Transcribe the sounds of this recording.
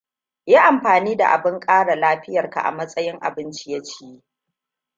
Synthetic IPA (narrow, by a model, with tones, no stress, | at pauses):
jaː˦ʔa˨mɸaː˨niː˦da̰˨ʔa̰˨bɪ˦ŋkʼaː˦ɽa˨laː˦ɸɪ˦jɐ˨rka̰˨ʔa̰˨mɐ˦sʼɐ˦jɪ˦ŋʔa̰˨bɪ˦nt͡ʃi˦ja˦t͡ʃiː˦je˦